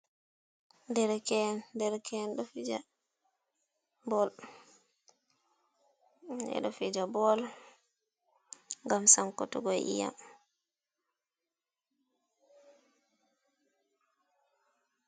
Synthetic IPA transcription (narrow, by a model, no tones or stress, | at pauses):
ndɛɾkɛndɛɾkʰɛnɗɔfid͡ʒa | bɔl | ɛ̰ɗɔfid͡ʒabɔl | ŋɡamsaŋkɔtɔɡɔjʔḭja̰m